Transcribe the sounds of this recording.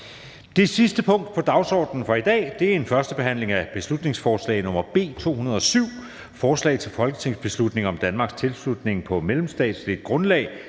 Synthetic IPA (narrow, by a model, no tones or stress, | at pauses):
d̥e̝sisd̥əpʰɔ̽ŋ̰d̥̚pʰɒ̽d̥ɑ̈ʊsɒ̰ːd̥nn̩fɒ̽id̥ɛ̰ːd̥e̝æɐe̝nfɶɐsd̥əb̥e̝ɦæn̰le̝ŋæb̥e̝slud̥ne̝ŋsfɒːslɛ̰ɪnɔ̽mɐb̥e̝̰ːt͡sʰo̝̰ːhunɐð̞̩ˠɒ̽syʊ̰ | fɒːslɛ̰ɪt͡sʰe̝lfɒ̽lɡ̥ə̥t͡sʰe̝ŋ̰sb̥e̝slud̥ne̝ŋɒ̽md̥ænmɑ̈ɡ̥st͡sʰe̝lslud̥ne̝ŋpʰɒ̽melemsd̥ɛ̰ːd̥slid̥ɡ̥ʁɔ̽nlɛ̰ːɪ